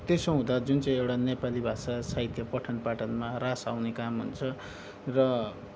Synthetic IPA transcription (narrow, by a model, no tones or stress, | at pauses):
t̪esõɦũd̪ad͡zunt͡sʌĩewɽanepalibʱasasait̪ʰjʌpʌʈʰʌnpaʈʌnmarasawnekamɦṵnt͡sʰʌ | rʌ